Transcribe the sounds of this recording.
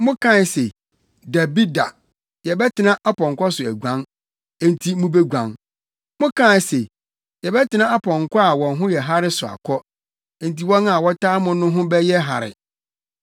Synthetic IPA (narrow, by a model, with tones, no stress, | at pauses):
mʊ̃˦kʰã˦n˨se˨ | da˨bi˦da˨ | jɛ˨bɛ˦tʰɪ˨nã˦ʔa˦pʰɔ̃˨ŋ˨kɔ˦sʊ˨æ˨ɡʷã˦n | ẽ˦n˦tʰi˦mũ˦be˦ɡʷã˨n | mʊ̃˦kʰã˦˨se˨ | jɛ˨bɛ˦tʰɪ˨nã˦a˦pʰɔ̃˨ŋkʰɔ˦a˨wɔ̃˨nɦʊ̃˦jɛ˨ɦa˦ɾɪ˦sʊ˨a̰˨kʰɔ̃˦ | n̩˦ti˦wɔ̃˦na˨wɔ˦tʰaː˦mʊ̃˦nʊ̃˦ɦʊ̃˦bɛ˦jɛ˦ɦa̰˨ɾɪ̰˨